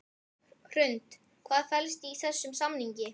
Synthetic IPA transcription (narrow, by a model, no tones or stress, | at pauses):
kʰɾʏnt̪ | kʰvaːðfɛlst̪iːθɛsːʏmsamniɲcɪ